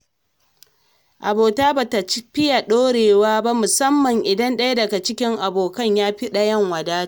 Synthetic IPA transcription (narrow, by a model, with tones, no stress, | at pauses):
ʔa˨boː˨taː˦baː˨ta˨t͡ʃɸɪ˦ja˨ɗoː˦ɽeː˨waː˦ba˦mʊ˨sɐ˦mːɐ˨ŋʔɪ˨dɐ˦nɗɐ˦ja˦dɐ˨ɡa˨t͡ʃɪ˦kʲɪ˦ŋʔa˨boː˨kɐ˦˨ɲjaː˦ɸi˦ɗa˨jɐ˦˨ŋwɐ˨daː˦